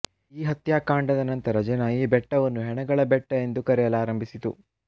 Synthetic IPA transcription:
iːɦɐt̪jaːkaːɳɖɐd̪ɐnɐnt̪ɐɾɐd͡ʒɐnɐiːbɛʈːɐʋɐnːuɦɛɳɐɡɐɭɐbɛʈːɐe̞nd̪ukɐɾɛjɐlaːɾɐmbʱisit̪ṵ

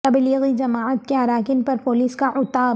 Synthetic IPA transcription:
t̪ɐbliːɣid͡ʒɐmaːʕət̪keɦɐɾaːkɪnpɐɾpoːliːskaʔʊt̪aː

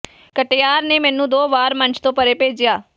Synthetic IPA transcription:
kəʈejaːɾneːmɛːnũːd̪oːbaːɾməɲt͡ʃt̪õːpəɾeːpeːd͡ʒɪjaː

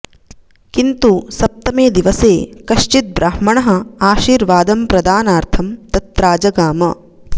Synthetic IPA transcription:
kint̪usɐp̚t̪ɐmeːd̪iʋɐseːkɐʃt͡ʃit̪̚bɾʔaːhmɐɳɐɦɐ̆aːʃiːɾʋaːd̪ɐmpɾɐd̪aːnaːɾt̪ʰɐmt̪ɐt̪ɾaːd͡ʒɐɡaːmɐ

